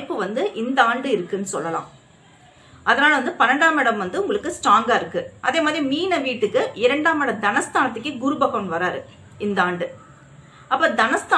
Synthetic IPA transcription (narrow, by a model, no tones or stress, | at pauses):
ɪpːɯʋɐnd̪ɯʔɪnd̪ɐaːɳɖɯɪɾɯkːɯnːɯsɔ̰lːɐlã̰ː | ʔɐðɐnaːlɐʋɐnd̪ɯpɐnɐɳɖaːmɪɽɐmʋɐnd̪ɯʊŋɡɐɭɯkːɯsʈɾaːŋɡaːɪɾɯkːɯʔɐðeːmaːðɾimiːnɐʋiːʈːɯkːɯɪɾɐɳɖaːmɪɽɐd̪ɐnɐst̪aːnɐt̪̬ːɯkːɯɡʊɾɯbɐɣɐnʋɐɾaːɾɯ | ɪnd̪ɐaːɳɖɯ | ʔɐpːɐːd̪ɐnɐst̪aː